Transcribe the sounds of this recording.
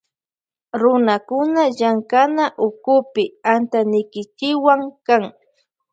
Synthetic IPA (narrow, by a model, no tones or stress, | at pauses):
ɾʊnakʊnaʎaŋkanaʔʊkʊpɪant̪anɪkɪt͡ʃɪwaŋkaŋ